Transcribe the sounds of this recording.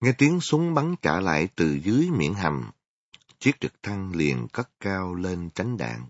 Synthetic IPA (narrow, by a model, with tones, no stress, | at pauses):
ŋɛ˧t̪i˨˦əŋsʊ˨˦ŋ͡mɓa˨˦nt͡ɕaː˧˩la̰ː˧˨jt̪ɨ˨˩zɨ˨˦əjmḭ˧˨ənɦa˨˩m | t͡ɕi˦˥ət̚t͡ɕɨ˨˩k̚t̪ʰa˧ŋlḭ˨˩ənkə˦˥k̚kaː˧wle˧nt͡ɕa˨˦jŋ̟ɗa̰ː˧˨ŋ